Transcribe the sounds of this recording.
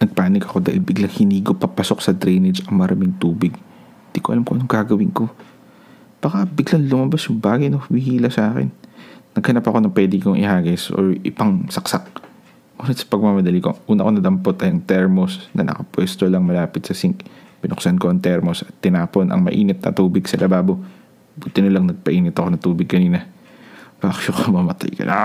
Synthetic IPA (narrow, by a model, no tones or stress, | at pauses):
nɐɡ̚paːnɪkɐko̞d̪aːʔɪlbɪɡlaŋhɪniːɡopɐpɐso̞ksɐd̪ɾɛjnɛd͡ʒɐŋmɐɾʔamɪŋt̪uːbɪɡ | hɪnd̪ikoʔɐlamkoʔnoŋɡaːɡɐwɪŋko̞ | b̥aːkɐbɪɡlɐŋlʊmɐbasjʊŋbaːɡɐjnowɪhiːlɐsɐʔaːkɪ̰nːɐɡ̚hɐnapɐko̞nɐpwɛːd̪ɪkoŋʔɪ̰haːɡɛsʔo̰ɹɪ̰pɐŋsɐksak̚ | ʔuːnɐt̪sɐ̥pɐɡ̚mamɐd̪ɐlikoʔuːnɐʔko̞nɐd̪ɐmpot̪ɐjʔɐŋt̪ɛɹmosnɐ̰nʔɐ̰kɐpwɛːst̪olɐŋmɐlaːpɪt̪sɐsiŋkb̥ɪnʊksɐnko̞ʔɐŋt̪ɛɹmosɐt̪ːɪnaːponʔɐ̰ŋmɐ̰ʔiːnɪt̪̚nɐ̰t̪uːbɪɡsɐlʔɐbaːbo̞ | bʊt̪ɪnɐlɐŋnɐɡ̚pɐʔiːnɪt̪ɐko̞nɐŋt̪uːbɪɡ̚kɐniːnɐ | b̥aːkʃokɐmɐmɐt̪a̰jkɐ̰na